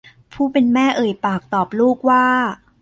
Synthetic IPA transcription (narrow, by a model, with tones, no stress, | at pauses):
pʰuː˥˩pe˧nmɛː˥˩ʔɤː˨˩jpaː˨˩k̚t̪ɔː˨˩p̚luː˥˩k̚waː˥˩